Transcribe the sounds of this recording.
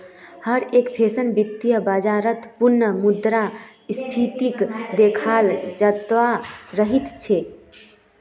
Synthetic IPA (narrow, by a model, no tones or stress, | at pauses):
həɾekpʰesənbik̚t̪ijəbəd͡ʒaɾət̪punːəmud̪ɾa | spʰit̪ikd̪ekʰald͡ʒət̪ʋaɾəɦit̪t͡ʃʰe